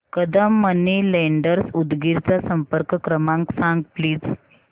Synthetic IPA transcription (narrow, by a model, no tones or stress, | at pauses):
kəd̪əmːənileɳɖəɾsud̪ɡiɾt͡sasəmpəɾkkɾəmãŋksãŋɡ̚pliːd͡z